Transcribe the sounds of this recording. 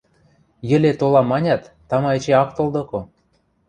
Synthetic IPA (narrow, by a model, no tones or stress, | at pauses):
jə̆lʲet̪olɑmɑnʲɑt̪ːɑmɑet͡ɕeɑkt̪old̪ŏko